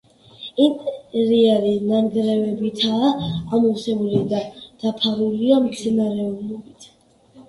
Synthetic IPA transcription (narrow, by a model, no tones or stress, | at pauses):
int̪ʼɛɾiaɾinaɾɡɾɛvɛbit̪ʰaːamɔsɛbulid̪ad̪̥apʰaɾuliamt̪sʰinaɾɛɔblɔbit̪ʰ